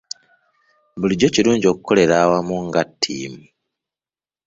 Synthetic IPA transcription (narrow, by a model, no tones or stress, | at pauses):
buliɟo̞ciɾuːɲɟio̞kukʰo̞le̞ɾawamuŋɡatʰːḭːmu